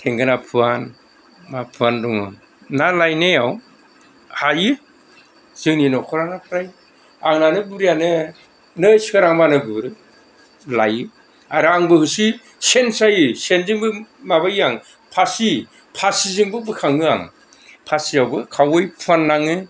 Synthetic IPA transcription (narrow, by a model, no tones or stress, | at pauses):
tʰeŋɡɯnapʰɯan | mapʰɯandɔŋɯ̰ | nalajnejaw | hajɯ | z̥ɯŋninɔkʰɔɾaŋnakʰɯɾaj | aŋnanɯbuɾijanɯ | nɯjsi̥kʰɯɾaŋmanɯɡuɾɯ | lajɯ | aɾɯaŋbɯhɯsi | sensajɯsenziŋbɯmabajaŋ | pʰasi | pʰasizɯŋbɯbɯkʰaŋɯa̰ŋ | pʰasiawbɯkʰawɯjpʰuanːaŋɯ